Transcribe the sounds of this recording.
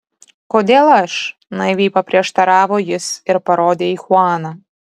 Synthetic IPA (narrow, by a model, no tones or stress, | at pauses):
koːd̪ʲeːlˠɐʃ | nɐɪʋʲiːpɐpʲɾʲiɛʃt̪ɐɾɑːʋoːjɪsɪɾpɐɾoːd̪ʲeːiːxʊɑːnɐ